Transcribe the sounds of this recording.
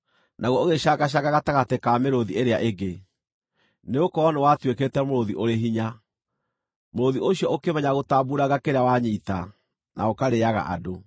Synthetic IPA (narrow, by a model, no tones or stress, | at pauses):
nʔaɣwɔoɣeɕaɡaɕ̬aɣaɣataɣatekameɾoðieɾeaʔeɡe | neokɔɔnewatweketɛmoɾoðiʔoɾeɦiɲa | moɾoðioɕiɔʔokemɛɲaɣotabuɾaɣakeɾeawaɲita | nʔa̰okaɾeaɣa̰ʔa̰do